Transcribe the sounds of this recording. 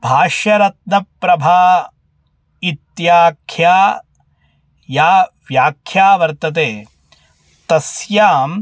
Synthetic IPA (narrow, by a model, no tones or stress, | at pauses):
bʱaːʃɐɾɐt̪̚nɐpɾɐbʱaː | it̪jaːkʰjaː | jaːʋjaːkʰjaːʋɐɾt̪ɐt̪eː | t̪ɐsjaːm